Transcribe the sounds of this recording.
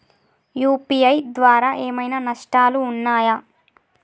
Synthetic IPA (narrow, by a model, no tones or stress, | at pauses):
juːpiɐjd̪ʋaːɾaːʔeːmɐjnaːnɐʂʈaːluːnːaːjɐ